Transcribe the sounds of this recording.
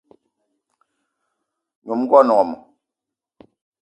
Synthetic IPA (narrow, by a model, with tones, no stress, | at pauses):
ɲo˨m˦ɡwɔ˦nɔ˨ŋɔ˨mɔ̰˨